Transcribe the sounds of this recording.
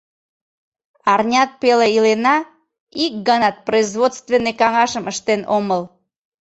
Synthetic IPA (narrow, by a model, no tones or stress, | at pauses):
ɑrnʲɑt̪̚peleilenɑ | ik̚ɡɑnɑt̪̚proizvot̪st̪venːekɑŋɑʃəməʃt̪enoməl